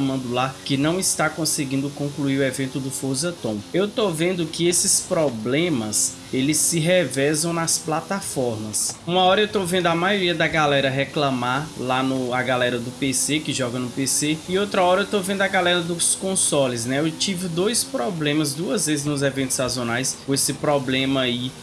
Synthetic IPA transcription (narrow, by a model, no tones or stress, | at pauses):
mɐ̃nd̪ʊlakɪnɐ̃w̃ɪst̪akõsɪɡĩnd̪ʊkõkluiɾʊɛvẽnt̪ʊd̪ʊfozɐt̪õw̃ewt̪ovẽnd̪ʊkɪesɪspɾɔblẽmɐs | elɪsːɪɦɛvɛzɐ̃w̃nɐsplat̪afɔɾmɐsũmɐɔɾɐewt̪ovẽnd̪ʊɐmajoɾiɐd̪ɐɡalɛɾɐɦɛklɐ̃maɾlanʊaɡalɛɾɐd̪ʊpesekɪʒɔɡɐnʊpeseɪowt̪ɾɐɔɾɐewt̪ovẽnd̪ʊɐɡalɛɾɐd̪ʊskõsɔlɪs̬nɛewt͡ʃivɪd̪ojspɾɔblẽmɐzd̪uɐzvezɪznʊzɛvẽnt̪ʊ̥sazõnajskõesɪpɾɔblẽmɐai